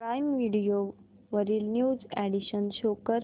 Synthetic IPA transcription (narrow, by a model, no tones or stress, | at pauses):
pɾajmʋiɽijo | ʋəɾiːlnjuːd͡zæɽiɕənɕokəɾ